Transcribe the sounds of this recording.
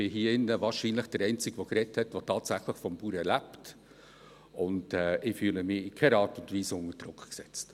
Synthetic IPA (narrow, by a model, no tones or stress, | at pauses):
b̥ɪɦiːəɪnːəvɑːɾʃiːnlɪχd̥əɾɛɪnt͡sɪɡʋɔɡɾɛthɛtʋɔtʰɑːtsæχləχfɔmpuːɾɛɾlæpt | ʊnd̥ɛːʔɪfyːləmɪɪkʰɛɾɑːtʊndviːsʊnəɾd̥ɾʊkχksɛt͡st